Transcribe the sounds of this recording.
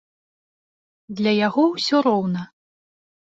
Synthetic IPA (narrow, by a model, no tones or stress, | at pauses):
d̪lʲɐjaɣɔwsʲɔɾɔwnɐ